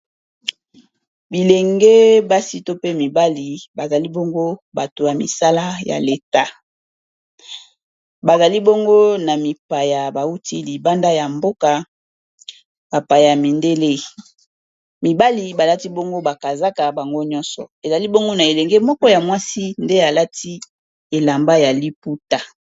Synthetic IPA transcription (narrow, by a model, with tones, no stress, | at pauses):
bi˨le˨ŋɡe˦ba˦si˦to˦pe˦mi˨ba˦li˨ba˨za˨li˦bo˦ŋɡo˦ba˨to˨ja˨mḭ˨sa˦la˦ja̰˨le˨ta˦ | ba˨za˨li˦bo˦ŋɡo˦na˨mi˨pa˨ja˨ba˨u˦ti˦li˨ba˦nda˦ja˨mbo˦ka˨ | ba˨pa˨ja˨mi˨nde˦le˦ | mi˨ba˦li˨ba˨la˦ti˦bo˦ŋɡo˦ba˨ka˨za˦ka˨ba˨ŋɡo˦ɲɔ̃˦nsɔ̰˨e˨za˨li˦bo˦ŋɡo˦na˨e˨lɛ˨ŋɡe˦mɔ˦kɔ˦ja˨mwa˦si˦nde˦a˨la˦tʰi˦ | e˨la˨mba˦ja˨li˦pu˦ta˨